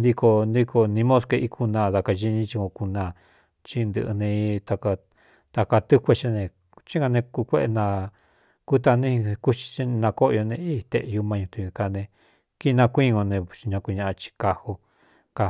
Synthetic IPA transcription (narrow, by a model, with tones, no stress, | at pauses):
nd̪i˧ko˧nd̪i˧kʰo˧nĩ˧mõ˦ske˧ʔi˦˧kʰu˧nã˧˨ða˧ka˧ʒi˧ɲĩ˦t͡ʃi˧kõ˧ku˧nã˧˨ | t͡ʃi˧nd̪ɨ̰˧ʔɨ̰˧nẽ˧i˦˧t̪a˧ka˧ | t̪a˧ka˧t̪u˦kʷe˧t͡ʃa˦nẽ˧ | t͡ʃĩ˦ŋɡa˧nẽ˧ku˧kʷe˦ʔe˧nã˧ | ku˦t̪a˧nĩ˦˧ku˦t͡ʃi̥˧t͡ʃi˦˧nã˧ko˦ʔjo˧nẽ˧i˦˧t̪e˧ʔju˧mã˧ũ˧t̪ũ˧ka˧nẽ˧ | ki˦˧nã˧kʷĩ˦ŋõ˧nẽ˧˨t͡ʃi˧ɲã˧kʷi˧ɲã˧ʔa˧t͡ʃi̥˧ka˧ho˧ | ka˧